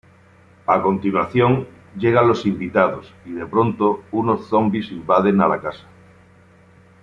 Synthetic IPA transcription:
ako̞nt̪inwaθjoŋ | ɟ͡ʝeɣ̞alo̞simbit̪aðosiðe̞pɾo̞nt̪ounosθo̞mbisimbað̞e̞nala̰kasḁ

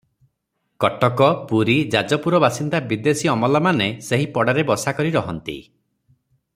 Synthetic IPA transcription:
kɔʈɔkɔpuɾid͡ʒad͡ʒɔpuɾɔbasind̪abid̪esiɔmɔlɔmaneseɦipɔɽaɾebɔsakɔɾiɾɔɦɔnt̪ḭ

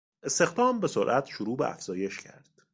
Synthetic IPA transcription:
est̪e̞xd̪ɒːmbe̞soɾʔæt̪ʰʃoɾuːbḛæ̰fz̥ɒːje̞ʃcʰæ̰ɾd̪̥

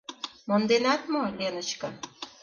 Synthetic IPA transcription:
mond̪enɑt̪molʲenə̆t͡ɕkɤ̆

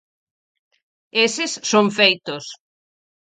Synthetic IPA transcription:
esɪsːõɱfejt̪ʊs

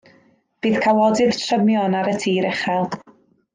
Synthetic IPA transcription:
b̥iːð̥kʰawɔdɨð̥tʰrəmjɔnaɾətʰiːɾɛχɛlˠ

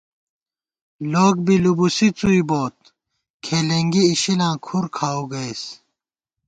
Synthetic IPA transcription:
loːk̚bilubusit͡suiboːt̪̚ | kʰeːleŋɡiːɕilãːkʰuɾkʰaːuɡɐis

